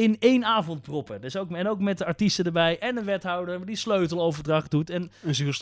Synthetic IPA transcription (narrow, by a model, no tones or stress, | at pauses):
ɪnejnaːvɔnt̚prɔpədɵsowkɛnowkmɛt̚dəaɹtistədəɹbɛjʔɛnənʋɛtɦɑwdədisløɥtəlˠowvəɹdrɑχdutɛnəzys